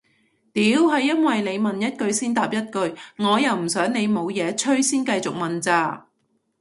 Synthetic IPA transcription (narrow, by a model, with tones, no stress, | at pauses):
t̪iː˨˥wɦɐ˨jːɐ˥nwɐ˨jne˨˧jmɐ˨njɐ˥t̚kɵ˧ɥsiː˥nt̪aː˨p̚jɐ˥t̚kɵ˧ɥŋɔː˨˧jɐ˨wm̩˨˩sœː˨˥ŋne˨˧jmo˨˧wjɛː˨˧t͡ʃʰɵ˥ɥsiː˥nkɐ˧jt͡sʊ˨k̚mɐ˨˩nt͡saː˧